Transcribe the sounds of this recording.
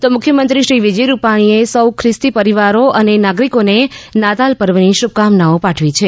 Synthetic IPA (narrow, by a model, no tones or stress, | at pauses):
t̪omʊkʰjəmənt̪ɾiʃɾiʋid͡ʒəjɾupaɽ̃iesəwkʰɾɪst̪ipəɾiʋaɾoʔənenaɡɾikonenat̪alpəɾʋəniʃub̚kamnaopaʈʰʋit͡ʃʰe